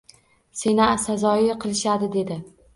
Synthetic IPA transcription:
se̞nɪsazɒɪqʰɨlˠɪʃad̪ɪd̪e̞d̪ɪ

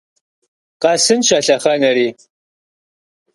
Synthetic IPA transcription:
qɐsɨnʃɐɬɐχɐnɐɾiː

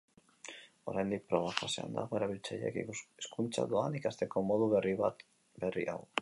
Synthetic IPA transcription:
o̞ɾajnd̪ik̚pɾo̞β̞akosea̰nd̪a̰ɣoe̞ɾaβ̞ilt͡saʎḛkeskunt͡sa̰ðoanikast̪e̞ko̞mo̞ðuβeriβat̪ | be̞rḭʔaw

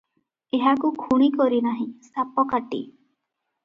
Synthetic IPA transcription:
eɦakukʰuɽ̃ikɔɾinaɦĩsapɔkaʈḭ

